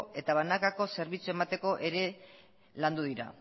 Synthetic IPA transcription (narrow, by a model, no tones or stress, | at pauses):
e̞t̪aβanakako̞se̞ɾβit͡sue̞mat̪e̞ko̞ʔe̞ɾe̞ | land̪uðiɾa̰